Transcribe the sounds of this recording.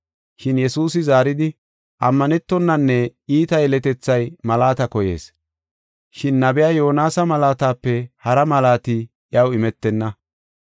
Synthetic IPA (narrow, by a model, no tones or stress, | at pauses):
ʃɪnjɛsuːs̬ɪzaːɾɪd̪ɪ | ʔɐmːɐnɛt̪ːɔnːɐnːɛiːt̪ɐjɛlɛt̪ɛt͡sːɐjmɐlaːt̪ɐkɔjḛːs | ʃɪnːɐbɛjaːjo̞ːnaːsɐmɐlaːt̪aːpːɛhɐɾɐmɐlaːt̪ɪ | ʔjɐwɪmɛt̪ːɛnːɐ